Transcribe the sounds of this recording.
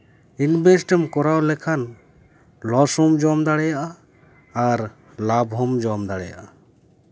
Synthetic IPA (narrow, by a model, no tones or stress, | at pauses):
inbɛsʈɛmkɔɾawlɛkʰan | lɔsɔmd͡ʒɔmd̪aɽɛjaʔaː | ɾ | labɦɔmd͡ʒɔmd̪aɽɛja̰ʔa